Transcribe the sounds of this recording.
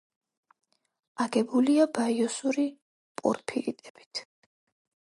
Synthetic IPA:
aɡɛbuliabaiɔsuɾi | pʼɔ̰ɾpʰḭḭt̪ʼɛb̥i̥t̪ʰ

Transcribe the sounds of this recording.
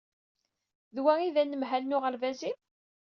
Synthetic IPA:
ðwæiðænːəmɦælnʊʁəɾvæzim

